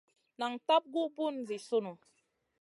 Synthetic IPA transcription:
na˨ŋta˦p̚ɡu˦bu˦˨n˨zi˨su˦nu˨

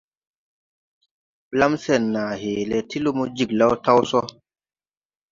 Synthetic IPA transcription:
la˦msɛ˨nːa˨heː˨lɛ˨ti˦lu˦mo˦d͡ʒi˨kla˦wta˦wsɔ˦

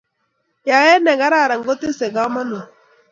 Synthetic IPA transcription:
ja˨ɛ˦nɛ˨ɡa˦ɾa˦˨ɾa˨ŋ˦ɡo˦te˦sɛ˨ɡa˨˦ɔ˦ma˦no˨

